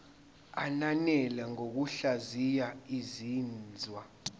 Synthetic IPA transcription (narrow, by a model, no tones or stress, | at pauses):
ananɛlɛŋok̬uɬazijaiziːnd͡zʱwa